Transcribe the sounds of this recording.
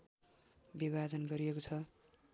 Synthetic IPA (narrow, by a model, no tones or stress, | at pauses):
biβʱad͡zʌnɡʌɾijekot͡sʰʌ